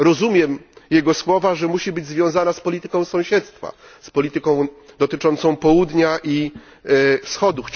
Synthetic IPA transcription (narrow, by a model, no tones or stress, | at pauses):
ɾɔzumʲjɛmjɛɡɔswɔvaʐɛmuɕibɘd͡ʑzvʲjɔ̃zanaspɔlʲit̪ɘkɔ̃w̃sɔ̃w̃ɕɛt̪st̪fa̰ | spɔlʲit̪ɘkɔ̃w̃d̪ɔt̪ɘt͡ʂɔnt̪sɔ̃w̃pɔwud̪ɲaʔi | fsxɔd̪u